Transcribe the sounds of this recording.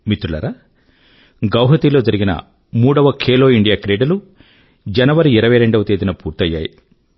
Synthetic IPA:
mit̪ɾuɭɐ̰ɾɐ | ɡɐwɦɐt̪ilo̞ːd͡ʒɐɾiɡinɐ̰ | muːɽɐʋɐkʰeːlo̞ːiɳɖijaːkɾeːɖɐlu | d͡ʒɐnɐʋɐɾiiɾɐʋɐjɾe̞ɳɖɐʋɐt̪eːd̪inɐpuːɾt̪ɐjːa̰ːjḭ

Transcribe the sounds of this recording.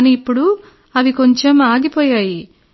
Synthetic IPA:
niːpːuɽu | ɐʋiko̞ɲt͡ʃe̞maːɡipɔːjaːji

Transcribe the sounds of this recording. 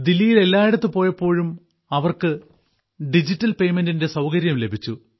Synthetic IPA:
d̪ilːijile̞lːaːjiɽɐt̪ːɨpo̞ːjɐpːo̞ːɻum | ɐʋɐrkɨ | ɖid͡ʑitːɐlpe̞jme̞ndinde̞sɐwkɐɾjɐmle̞bʱit͡ɕːu

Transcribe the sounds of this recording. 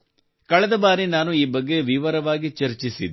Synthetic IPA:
kɐɭɛd̪ɐbaːɾinaːnuiːbɐɡːe̞ʋiʋɐɾɐʋaːɡit͡ʃɐɾt͡ʃisid̪

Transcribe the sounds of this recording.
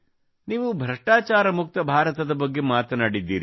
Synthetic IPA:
niːʋubʱɾɐʂʈaːt͡ʃaːɾɐmuk̚t̪ɐbʱaːɾɐt̪ɐd̪ɐbɐɡːe̞maːt̪ɐnaːɽid̪ːḭːɾi

